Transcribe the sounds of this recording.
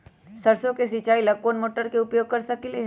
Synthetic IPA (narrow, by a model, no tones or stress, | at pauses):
sɐɾsõkesit͡ʃaːilɐɡ̚koːnmoːʈəɾkeʊpjoːɡ̚kɐɾsɐkile